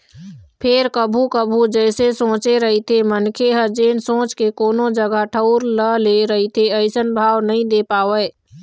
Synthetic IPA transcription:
pʰeɾkəbʱukəbʱud͡ʒɛːsesõːt͡ʃeɾəɦit̪ʰemənkʰeɦəd͡ʒeːnsõːt͡ʃkekoːnod͡ʒəɡaʈʰəʊɾləleɾəɦit̪ʰeəɪsənbʱaːwnəɦĩd̪epaːʋɛ

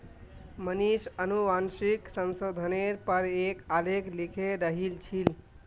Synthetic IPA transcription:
mənisənuʋansiksənsod̪ʱəneɾpəɾekalekʰlikʰeɾəɦilt͡ʃʰil

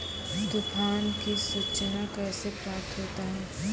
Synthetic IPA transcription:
t̪ʊkʰaːnkisut͡ʃnakɛːsepɾaːp̚t̪ʰɦoːt̪aɦɛː

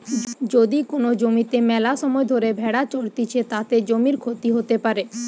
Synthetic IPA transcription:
d͡ʑod̪ikonod͡ʑomit̪emɛlaʃɔmɔed̪ʱoɾebʱɛɽat͡ɕoɽt̪it͡ɕʰet̪at̪ed͡ʑomiɾkʰot̪iɦot̪epaɾe

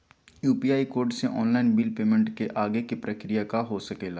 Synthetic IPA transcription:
juːpiaːikoːɾɖseʔɔːnlaːɪnbɪlpeːmə̃ɳʈkeʔaːɡekipɾəkɾijakaɦosəkeːlaː

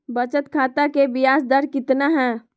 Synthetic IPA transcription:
bət͡ʃət̪kʰaːt̪akebɪjaːsd̪əɾkɪt̪naɦɛ̃ː

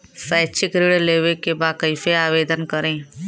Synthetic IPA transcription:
saːt͡ʃʰɪkɾiɽleːʋekebaːkəɪfeaːʋeːd̪ənkəɾẽː

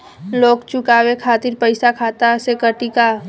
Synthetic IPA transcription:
loːkt͡ʃʊkaːwekʰaːt̪iɾpəɪsakʰaːt̪asekəʈika

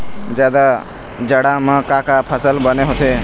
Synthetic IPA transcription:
d͡ʒjaːd̪a | d͡ʒəɽamə̃kakapʰəsəlbəneɦot̪ʰe

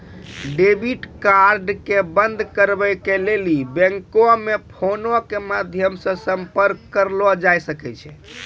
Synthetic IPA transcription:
ɖebiʈkaɾɖkebənd̪ʱkəɾbɛkelelibɛ̃ŋkomepʰonokemad̪ʱjəmsə̃səmpəɾkːəɾlɔd͡ʒajsəkɛt͡ʃʰɛ

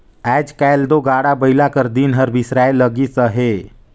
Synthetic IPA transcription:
ɛːd͡ʒkɛjld̪oɡaːɽabəilakəɾd̪iːnɦəɾbʱisɾaːeləɡisəɦe

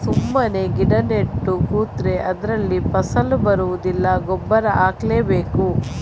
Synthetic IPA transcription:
sumːɐne̞ɡiɖɐneʈːukuːt̪ɾeʔɐd̪ɐɾɐlːipɐsɐlubɐɾuʋud̪ilːɐɡɔbːɐɾɐʔaːkleːbeːku

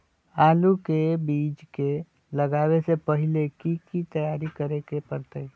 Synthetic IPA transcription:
aːlukebiːd͡ʒke | lɐɡaːwesepɐɦɪlekikit̪ɐjaːɾikɐɾekepəɾt̪əi

